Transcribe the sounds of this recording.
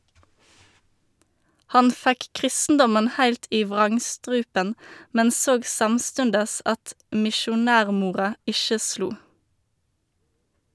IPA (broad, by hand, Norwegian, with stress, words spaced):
ˈhɑn ˈfæk ˈkʁɪstn̩dɔmən ˈhæɪlt ˈiː ˈʋʁɑŋˌstʁʉːpən ˈmɛn ˈsoːɡ ˈsɑmˌstʉndəs ˈɑt mɪʃʊˈnæːʁˌmuːʁɑ ˈɪʃə ˈsluː